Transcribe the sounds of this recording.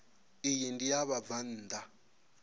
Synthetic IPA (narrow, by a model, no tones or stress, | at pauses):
ijindijaβavan̩ːd̪a